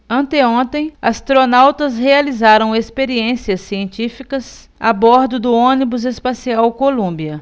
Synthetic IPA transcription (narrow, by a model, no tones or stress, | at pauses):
ɐ̃nt̪eõnt̪ẽj̃ɐst̪ɾonawt̪ɐshealizaɾɐ̃w̃espeɾiẽsiɐsːiẽnt͡ʃifikɐz | a̰bɔɾd̪ʊd̪ʊõnibʊzespasiawkolũmbiɐ